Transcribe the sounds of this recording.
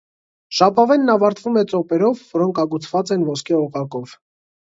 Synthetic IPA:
ʃɑpɑvɛnːɑvɑɾt̪vumɛt͡sɔpɛɾɔvːɔɾɔŋkʰɑɡut͡sʰv̥ɑt͡sɛnvɔskʰɛɔʁɑkɔv̥

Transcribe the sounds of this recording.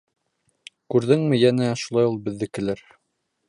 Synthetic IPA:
kʉɾðɘŋmɘ̆jænæʃulˠɑjulˠbɘ̆ðːɘkɘ̆lɘɾ

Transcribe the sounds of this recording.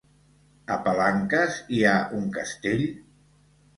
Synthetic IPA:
əpalaŋkəziaʔuŋkəst̪eʎ

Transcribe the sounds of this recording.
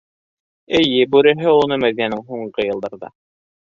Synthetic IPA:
ɘ̆jɘbʉɾɘ̆ɦɘunɤmæðinænɘŋɦuɴɢɤjɤ̆lˠd̪ɑɾðɑ̰

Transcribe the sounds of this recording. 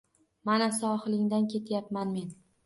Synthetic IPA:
manasɒhɨlɪŋd̪ankʲʰe̞t̪ʰjapmanme̞n

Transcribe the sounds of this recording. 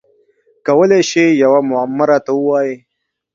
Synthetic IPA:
kɐwəleʃejɐwamʊamːaɾat̪awuwaːji

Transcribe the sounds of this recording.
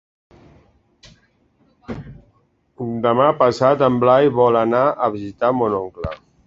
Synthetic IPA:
und̪əmapəsat̪əmblajβɔlanaʔəβizit̪amonɔŋklə̰

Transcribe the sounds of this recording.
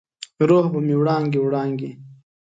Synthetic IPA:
ɾoːhbəmiwɽɑːŋɡiwɽɑːŋɡe

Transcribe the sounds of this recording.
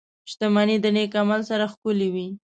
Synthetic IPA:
t͡ʃʃd̪əmanid̪ənekamalsaɾaxkʊliwi

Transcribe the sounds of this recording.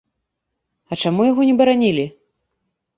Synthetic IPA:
ɐt͡ʂamujaɣɔnʲɛbɐɾanʲilʲi

